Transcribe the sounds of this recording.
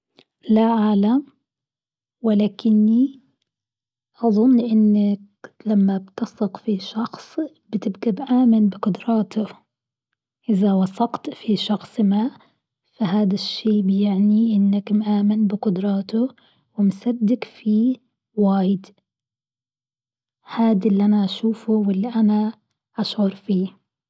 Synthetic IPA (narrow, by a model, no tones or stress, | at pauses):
laʕaːlam | wɪlaːkʰɪnːi | ʔɑðˤʊnːʔɪnːak̚ | lamːabt̪ɑsˤɑqfiʃɑxsˤ | bɪt̪ɪbɡabʔaːmanbɪqʊd̪ɾˤɑːt̪ʰʊ | ʔɪðawɑsˤɑqt̪fiʃɑxsˤma | faɦaːd̪aʃːeːbɪjɪʕniʔɪnːakmʔaːmɪnbɪqʊd̪ɾˤɑːt̪ʊ | wɪmsad̪ːɪkfi | waːjɪd̪ | haːd̪ilːiʔanaʔaʃuːfʊwɪlːiʔana | ʔaʃʕʊɾˤfiː